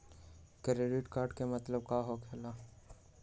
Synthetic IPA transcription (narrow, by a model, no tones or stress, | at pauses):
kɾeːɖɪʈkaːɾɖkemɐt̪ləb̚kaːɦokʰeːla